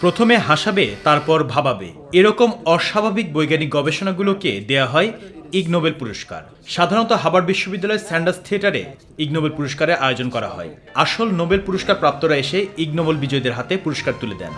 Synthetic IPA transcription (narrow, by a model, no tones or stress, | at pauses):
pɾot̪ʰomeɦaʃabet̪aɾpɔɾbʱababḛ | eɾɔkomɔʃabʱabik̚bojɡaniɡɔbeʃonaɡuloked̪eaɦɔeiɡnobelpuɾoʃka̰ɾ | ʃad̪ʱaɾont̪oɦabaɾbiʃːobid̪ːalɔeɾsɛɳɖaɾst̪ʰieʈaɾḛ | iɡ̚nobelpuɾoʃkaɾeɾʔaod͡ʑonkɔɾa̰ɦɔ̰e | aʃolnobelpuɾoʃkaɾpɾap̚t̪oɾaeʃeiɡnobolbid͡ʑɔed̪eɾɦat̪epuɾoʃkaɾt̪uled̪ɛ̰n